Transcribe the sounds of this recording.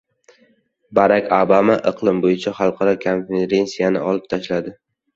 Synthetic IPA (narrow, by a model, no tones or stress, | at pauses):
baɾakʲʰobamaʔɨqʰlˠɪmbojɪt͡ʃʰaχɑlˠqʰɑɾɒkʰonfeɾe̞nsijanɪ̰ʔɒlˠɪp̚t̪ʰaʃlad̪ɪ